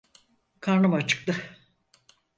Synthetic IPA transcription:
kʰaɾnamat͡ʃʰɯ̥k̚t̪ɯ

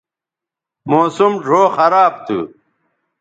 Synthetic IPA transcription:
moːsumʐʱoːxɐɾaːb̚t̪ʰṵ

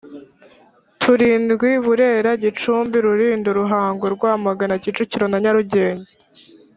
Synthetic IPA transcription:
tʰuɾiːndɡwiβuɾe̞ːɾaɟit͡ʃuːmbiɾuɾiːnduɾuɦaːŋɡoɾɡwaːmaɡanacit͡ʃuciɾo̞naɲaɾuɟe̞ːɲe

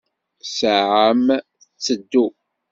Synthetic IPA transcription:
səʕəm | ət͡sːəd̪ːu

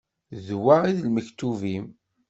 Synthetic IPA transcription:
ðwaʁiðlməçt̪uvim

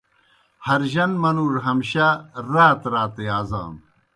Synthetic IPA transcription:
hɐɾʑɐnmɐnuːɾɦɐmɕaɾaːt̪ɾaːt̪eaːza̰ːm

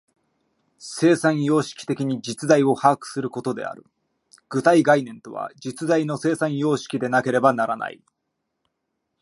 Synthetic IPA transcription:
se̞ːsãɰ̃jo̞ːɕi̥kʲi̥t̪e̞kʲiɲ̟id͡ʑit͡sɨd̪aio̞haːkɯ̥sɨɾɯ̟ko̞t̪o̞d̪e̞̰a̰ɾɯ̟ | ɡ̥ɯ̟t̪aiɡainẽ̞nt̪o̞βa̰d͡ʑit͡sɨd̪aino̞se̞ːsãɰ̃jo̞ːɕi̥kʲid̪e̞nake̞ɾe̞banaɾana̰ḭ

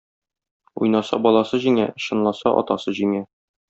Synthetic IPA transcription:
ṵjnɑsɑ̰bɒlˠɑsɤʑiŋæ̰ɕɤ̆nlˠɑsɑʔɒ̰t̪ɑsɤʑiŋæ

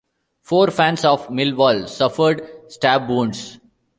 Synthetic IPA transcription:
foːɾfæ̃nsɔːʋmɪlʋɔːlsʌfəɾɖsʈæbːũːɳɖs

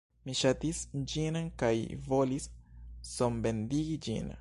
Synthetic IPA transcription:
miʃatisd͡ʒinkajvo̞lisː | ombe̞ndiɡid͡ʒḭn

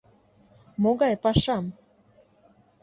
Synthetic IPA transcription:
moɣɑjpɑʃɑm

